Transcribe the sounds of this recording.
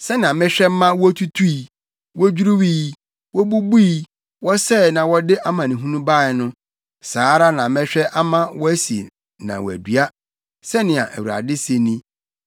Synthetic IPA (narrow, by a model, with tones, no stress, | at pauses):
sɛ˦nɪ̃˨ã˨mɪ̃˦ɕᶣɛ˦m̩˦mã˦wɔ˦tʰu˦tʰu˦i˨ | wɔ˦d͡ʑᶣu˦ɾu˦wi˦ | wɔ˦bu˦bu˦i˦ | wɔ˦sɛ˦˨nã˨wɔ˦dɪ˦ʔa˦mã˨nɪ̃˨ɦũ˦nũ˦ba˦˨ɛ˨nʊ̃˦ | saː˨˦ɾa˦nã˨mɪ̃˦ɕᶣɛ˦ʔa˦mã˦wɔ˦æ˦sḭ˨ | nã̰˨wɔ̰˨æ̰˨dɥa˦ | sɛ˦nɪ̃˨a̰˨ʔæ˨wu˨ɾa̰˨dɪ˦se˨nĩ˦